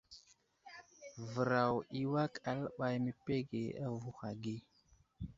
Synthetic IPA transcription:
və˨ɾa˨wi˦wa˦ka˨la˦ɓa˨jmə˨pe˦ɡe˨a˦vu˦xa˨ɡi˦

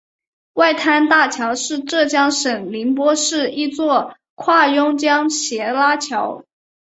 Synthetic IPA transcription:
wa˥˩ɪt̪ʰa˥nt̪a˥˩t͡ɕʰjɑ˧˥ʊʂɻ̩˥˧ʈ͡ʂɤ˥˩t͡ɕjɑ˥ŋʂə˨˩ŋli˧˥npwɔ˥ʂɻ̩˥˩i˥˧t͡swɔ˥˩ | kʰwa˥˩jʊ˥ŋt͡ɕjɑ˥ŋɕjɛ˧˥la˥t͡ɕʰjɑ˧˥ʊ

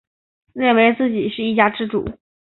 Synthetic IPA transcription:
ljɛ˥˩nwe˧˥ɪt͡sɹ̩˥˩t͡ɕi˨˩˦ʂɻ̩˥˧i˥˩t͡ɕja˥ʈ͡ʂɻ̩˥ʈ͡ʂṵ˨˩˦

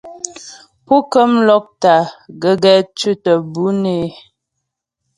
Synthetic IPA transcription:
po˦kə˦mlɔ˦k̚ta˨ɡə˨ɡɛ˨˦t͡ʃʉ˦tə˨bu˦ne˦

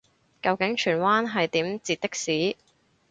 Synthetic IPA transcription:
kɐ˧wkɪ˨˥ŋt͡ʃʰyː˨˩nwaː˥nɦɐ˨jt̪iː˨˥mt͡siː˨t̪̚t̪ɪ˥k̚siː˨˥

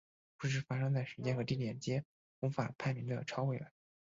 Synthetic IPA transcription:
pu˥˩ʂ̬ɻ̩˥˩fa˥ʂɤ˥ŋt͡sa˥˩ɪʂɻ̩˧˥t͡ɕjɛ˥xɤ˧˥t̪i˥˩t̪jɛ˨˩nt͡ɕjɛ˥ | fʊ˧˥fa̰˨˩pʰa˥˩ɪmi˧˥ŋd̪ə̰˧˩ʈ͡ʂʰɑ˥ʊwe˥˩ɪɥɛ̰˧˥˦n

